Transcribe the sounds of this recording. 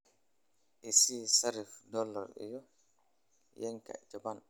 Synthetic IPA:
ʔɛsiːsaɾifdɔlːɔɾɛ̰jɔ | jɛɲka̰t͡ʃaban

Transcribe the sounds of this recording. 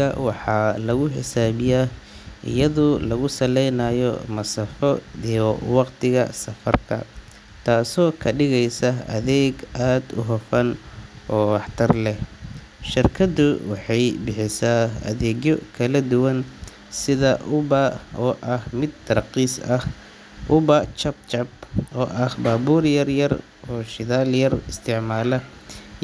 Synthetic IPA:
ɐwɑħɑːlɐɣʊħɪ̰saːβɪjaː | ʔɪ̰jɐðʊlɐɣʊsɐlɛjnaːjɔ̰mɐsɐfɔijɔwɑqt̪ʰɪɣɐ̰sɐfɐrkʰɐ̰ | t̪ʰaːsɔːkʰɐɖɪɣɛjsɐɐ̰ðɛːɡaːd̪ʊ̰ɦɔfɐnʔɔːwɑħt̪ʰɐrlɛh | ʃɪrkʰɐdʊwɑħɑjbɪħɪsaːɐ̰ðɛːɣjɔkʰɐlɐd̪ʊwɐn | sɪðɐʔʊβɐɔːʔɐhmɪd̪t̪ʰːɐrqiːsɐh | ʔʊβɐt͡ʃɐb̚t͡ʃɐbɔːʔɐhbaːbuːrjɐrjɐr | ʔɔːʃɪðaːljɐrɪst̪ʰɪʕmaːlɐ

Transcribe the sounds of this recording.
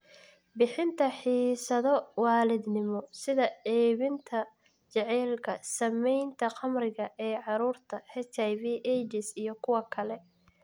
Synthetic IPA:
bɪħɪnt̪ʰɐħiːsɐðɔwɑːlɪd̪nɪmɔsɪðɐɛːβɪnt̪ʰɐ | t͡ʃɐʕɛːlkʰɐsɐmɛjnt̪ʰɐqɑmrɪɣɐʔɛːʕɑɾuːrt̪ʰɐhɛt͡ʃɛjviːʔɛd͡ʒɪsijɞkʰʊwɐkʰɐlɛ

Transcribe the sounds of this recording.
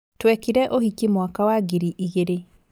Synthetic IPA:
twɛkiɾɛʔohikimwakawaɡiɾiʔiɣeɾe

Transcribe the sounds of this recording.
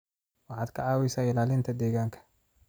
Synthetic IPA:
wɑħɑːd̪kʰɐʕɑːwɛsaːɪlaːlɪnt̪ʰɐd̪ɛːɣaːŋkʰɐ̥

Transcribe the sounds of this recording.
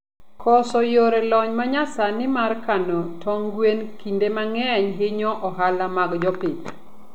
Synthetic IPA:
kʰɔsɔjoɾelɔɲmaɲasanɪmarkanɔtʰɔŋɡwenkindemaŋɛɲɦɪɲɔʔɔɦalamaɡd͡ʒɔpiɲ

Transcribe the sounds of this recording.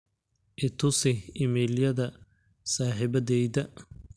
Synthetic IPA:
ʔɪt̪ʰʊsɪɪmɛːljɐðɐ | saːħɪβɐðɛjðɐ

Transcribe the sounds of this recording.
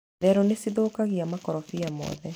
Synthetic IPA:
ðɛɾonesiðoːkaɣiamakɔɾɔfiamɔ̰ðɛ

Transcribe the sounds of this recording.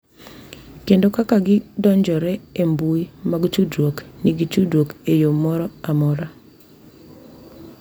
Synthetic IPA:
kendokakaɡɪdɔɲd͡ʒɔɾɛembuimaɡt͡ʃudwokniɡit͡ʃudwokejomɔɾɔamɔɾa

